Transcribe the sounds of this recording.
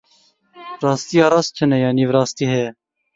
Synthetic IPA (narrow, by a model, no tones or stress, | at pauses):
ɾɑːst̪ijɑːɾɑːst͡ʃʰənɛjɑːniːvɾɑːst̪iːɦɛjɛ